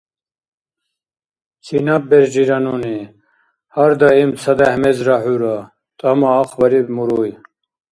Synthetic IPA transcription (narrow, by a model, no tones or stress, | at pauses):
kʰinɐp̚beɾd͡ʑiɾɐnuni | hɐɾd̪ɐimsɐd̪ahmezɾaħuɾa | t̪ɐmaːxʋɐɾimuɾuj